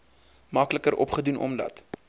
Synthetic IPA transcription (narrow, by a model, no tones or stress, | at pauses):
mɐkləkəɾʔɔpχədunʔɔ̰mlɐ̰t